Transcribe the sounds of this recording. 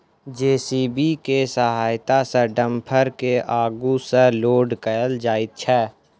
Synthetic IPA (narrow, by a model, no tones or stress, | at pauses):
d͡ʒeːsiːbikesəɦaːjt̪aseɖəmpʰəɾkeʔaːɡuseloːɖkəjəld͡ʒaːɪt̪̚t͡ʃʰɛː